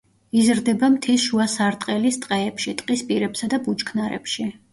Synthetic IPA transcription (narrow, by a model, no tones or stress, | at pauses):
izɾd̪ɛbamt̪ʰisʃuasaɾt̪ʼqʼɛlist̪ʼqʼɛːpʃit̪ʼqʼispʼiɾɛpsad̪abut͡ʃkʰnaɾɛ̰pʃi